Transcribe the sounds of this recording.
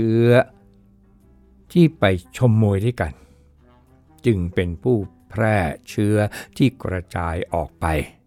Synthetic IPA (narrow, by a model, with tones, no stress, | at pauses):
ɯ˦˥ɐ | t̪ʰiː˥˩pa˧jt͡ɕʰo˧mːuː˧jda˥˩jka˧n | t͡ɕɯ˧ŋpe˧npʰuː˥˩pʰɾɛː˥˩t͡ɕʰɯ˦˥ɐt̪ʰiː˥˩kɾa˧t͡ɕaː˧jʔɔː˨˩k̚pa˧j